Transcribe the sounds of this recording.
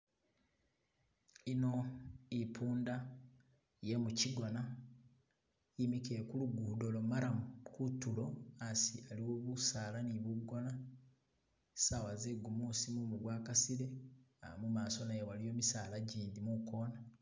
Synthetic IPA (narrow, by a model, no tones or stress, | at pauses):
ino̞ipʰuːnda | je̞muciɡo̞na | imike̞kuluɡuːdo̞lomaɾakutulo̞asialiwo̞ːβusaːlaniβuɡo̞na | sawazeɡumusimumuɡwaːkasiɾe̞a̰mumaːso̞najewalijo̞ːmisaːlaɟiːndimuko̞ːna